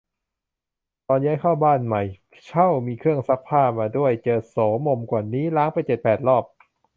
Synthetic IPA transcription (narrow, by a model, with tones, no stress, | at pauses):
t̪ɔː˧njaː˦˥jkʰaː˥˩wbaː˥˩nma˨˩j | t͡ɕʰa˥˩wmiː˧kʰɯ˥˩əŋsa˦˥k̚pʰaː˥˩maː˧du˥˩əjt͡ɕɤː˧sɔː˩˦mo˧mkwaː˨˩niː˦˥laː˦˥ŋpa˧jt͡ɕe˨˩t̪̚pɛː˨˩t̪̚lɔː˥˩p̚